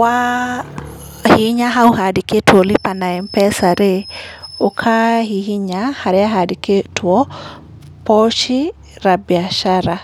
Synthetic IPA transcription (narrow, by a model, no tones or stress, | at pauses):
wa | hiɲaɦauɦadiketwɔlipanaɛmpɛsaɾeokʰaɦihiɲahaɾɛaɦadiketʰwɔ | pɔʃi | ɾabiaʃaɾa